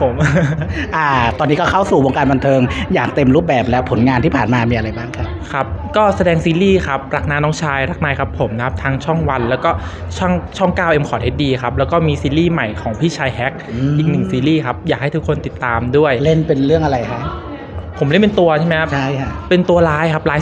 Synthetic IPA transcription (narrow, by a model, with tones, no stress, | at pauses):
pʰo˨˩˦mʔa˧˩t̪ɔː˧nːiː˦˥kɔː˥˩kʰa˥˩wsuː˨˩wo˧ŋkaː˧nba˧nt̪ʰɤː˧ŋjaː˨˩k̚t̪e˧mɾuː˥˩p̚bɛː˨˩p̚lɛː˦˥wpʰːo˩˦nŋaː˧nt̪ʰiː˥˩pʰaː˨˩nmaː˧miː˧a˧ɾa˧jbaː˥˩ŋkʰa˦˥pkʰa˦˥p̚kɔː˥˩sa˧dɛː˧ŋsiː˧liː˥˩kʰa˦˥p̚ɾa˦˥k̚naː˧˥nɔː˦˥ŋt͡ɕʰaː˧jɾa˦˥˩k̚naː˧jkʰa˦˥pʰo˩˦mna˦kʰa˦˥p̚t̪ʰaː˧ŋt͡ɕʰɔ˥˩ŋwa˧nlɛː˦˥wkɔː˥˩ | t͡ɕʰɔ˥˩ŋt͡ɕʰɔ˥˩ŋkaː˥˩wʔe˧mkʰɔː˨˩he˥˩diː˧kʰa˦˥p̚lɛː˦˥wkɔː˥˩miː˧siː˧liː˥˩ma˨˩jkʰɔː˩˦ŋpʰiː˥˩t͡ɕʰaː˧jɦɛ˦˥k̚ːʔiː˨˩k̚nɯ˨˩ŋsiː˧liː˥˩kʰa˦˥p̚jaː˨˩k̚ha˥˩jt̪ʰu˦˥kʰːo˧nt̪i˨˩t̪ːaː˧mdu˥˩əjle˥˩npe˧nɾɯ˥˩əŋʔa˧ɾa˧jkʰa˦˥ʔ | pʰːo˩˦mle˥˩npe˧nt̪u˧ɐt͡ɕʰa˥˩ma˦jkʰa˦˥t͡ɕʰa˥˩jkʰa˦˥pe˧nt̪u˧ɐlaː˦˥jkʰa˦˥p̚laː˦˥